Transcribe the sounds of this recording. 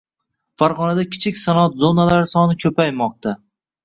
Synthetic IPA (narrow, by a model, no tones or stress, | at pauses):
faɾʁɒnad̪akʲʰɪ̥t͡ʃʰɪkʲsanat̪zonalaɾɪsɒnɪkʲʰɵpajmɒq̚t̪ʰa